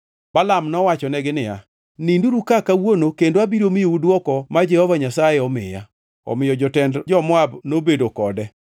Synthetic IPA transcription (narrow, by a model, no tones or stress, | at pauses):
balamnɔwat͡ʃɔnɛɡɪnɪja̰ | ninduɾukakawonokendoabiɾomɪjoudwɔkɔmad͡ʒɛhɔvaɲasajɛɔmɪ̰ja̰ | ɔ̰mɪjɔd͡ʒɔtɛndd͡ʒɔmwabnobedokɔdɛ